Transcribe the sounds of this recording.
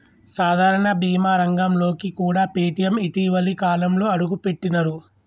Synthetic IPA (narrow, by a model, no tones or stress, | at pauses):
saːd̪ʱaːɾɐɳɐbiːmaːɾɐŋɡɐmlo̞ːkikuːɽaːpeːʈijɐmiʈiːʋɐlikaːlɐmlo̞ːɐɽuɡupe̞ʈːinɐɾu